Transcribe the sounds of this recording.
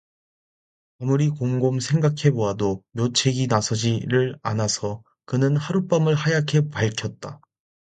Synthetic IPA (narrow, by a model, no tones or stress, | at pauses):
amuɾikoŋɡomsʰe̞ŋɡakʰe̞boɦadomjot͡ɕʰe̞ɡinasʰʌd͡ʑiɾɯɭanasʰʌ | kɯnɯnhaɾup͈amɯɭhajakʰe̞paɭkʰjʌt̚t͈a